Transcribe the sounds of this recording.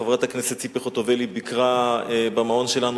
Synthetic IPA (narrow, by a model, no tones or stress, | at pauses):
evʁat̪hakneset̪t͡sipeχot̪ovelibikʁaebamao̞nʃelanu